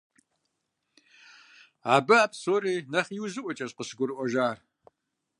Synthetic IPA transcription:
a̰ːbɨaːpsoːɾeːnɐχjiwzɨʔʷɔt͡ʃʼɐɕqəsɨɡʷʊɾɨʔʷɔʒaːr

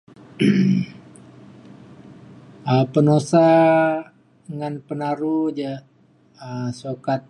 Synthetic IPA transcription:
əpənosa | ŋanpənaɾud͡ʒa | əsokat̪̚

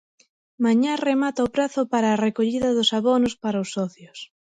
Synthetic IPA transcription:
maɲaremat̪ɐʊpɾaθʊpaɾaːrekoʎiðɐðʊsaβɔnʊspaɾaʊsːɔθjʊs

